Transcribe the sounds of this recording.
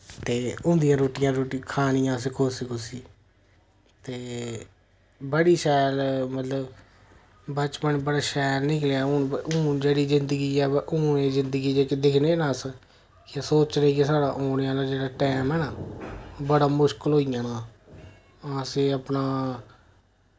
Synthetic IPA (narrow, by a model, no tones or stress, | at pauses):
t̪eːʊ̃nd̪ijãːɾoːʈɪjãːɾoːʈikʰaːnɪjãːseːkʰoːsekoːsiː | t̪eː | bəɽiːʃɛːlmət̪ləb | bət͡ʃpənbəɽaːʃɛːlnɪklejaːʊnʊ̃ːd͡ʒeːɽiːzɪnd̪əɡiːɛːʊːneːzɪnd̪əɡiːd͡ʒeːked̪ɪkʰneːnãːs | ksoːt͡ʃɾeːkesaːɽã̰ːʔoːnjãːlaːd͡ʒeːɽaːʈɛːmɦɛːnaːbəɽaːmʊʃkəlɦoːijãːnãː | ãːseːəpnaː